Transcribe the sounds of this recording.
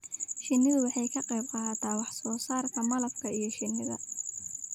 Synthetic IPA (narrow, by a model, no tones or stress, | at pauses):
ʃɪnːɪðʊwɑħɑjkʰɐqɑjb̚qɑːt̪ʰaːwɑħsɔːsaːrkʰɐmɐlɐfkʰɐijɞʃɪnːɪðɐ